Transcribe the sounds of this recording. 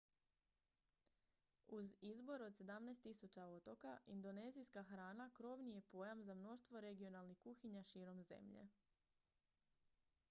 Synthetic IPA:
uzizbo̞ɾo̞d̪se̞d̪amneːst̪isut͡ɕao̞t̪o̞kaind̪o̞ne̞ːzijskaxɾaːnakɾo̞ʋnije̞po̞jamzamno̞ʃt̪ʋo̞ɾe̞ɡio̞nalˠnixkuxiɲaʃiːɾo̞mze̞̰mʎḛ

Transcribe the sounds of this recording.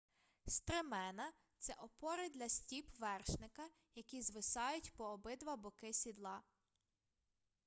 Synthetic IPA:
st̪ɾɪmɛnɐ | t̪sɛʔɔpɔɾɪd̪lʲɐsʲtʲipʋɛrʃnɪkɐ | jɐkʲizʋɪsɑjʊtʲpɔːbɪd̪ʋɐbɔkɪsʲid̪lˠɑ

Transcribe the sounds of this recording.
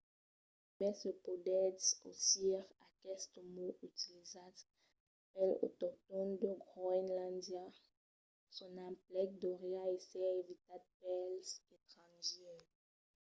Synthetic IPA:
mɛsəpodɛso̰siʁakɛst̪əmoyt̪ilizad | pɛlo̰t̪ɔʁt̪ɔnd̪əɡʁoɛnlãndja | sɔ̃nãplɛk̚d̪oʁeaesɛevit̪ad̪̚pɛlset̪ʁɑ̃nʒɛ

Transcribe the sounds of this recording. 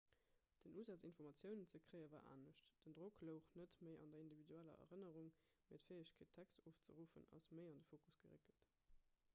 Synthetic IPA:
d̥ənʔuːzæt͡sinfɔʁmɑt͡sjəʊnənt͡səkʰʁəɪəvaːʔa̰ːnəɕtd̥əndʁokʰləʊχnətməɪʔɑ̰ndɐindividuælɐ̰ʔɐ̰ʁənəʁuŋ | meɪtfeːəɕkʰeːtʰækstoːft͡səʁuːfə̰nɑ̰sməɪɑndəfoːkusɡ̥əʁḛkəlt

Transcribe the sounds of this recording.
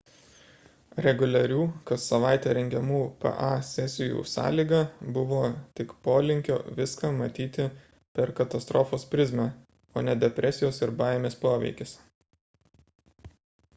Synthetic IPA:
ɾʲɛɡʊlʲɐɾʲuːkɐt̪sɐʋɑˑɪt̪ʲeːɾʲɛŋʲɡʲɛmuːpɛ̰ʔɑsʲɛsʲɪjṵːsɑ̰ːlʲiːɡɐbʊʋoːt̪ʲɪkpoːlʲɪŋʲkʲo̰ːʋʲɪskɑmɐt̪ʲiːt̪ʲɪ | pʲɛɾkɐt̪ɐst̪ɾɔːfoːspʲɾʲɪzʲmʲæ | oːnʲɛd̪ʲɛpʲɾʲʔɛsʲɪjoːsɪɾbɑːjɛmʲeːspoːʋʲɛ̰ɪkʲɪs

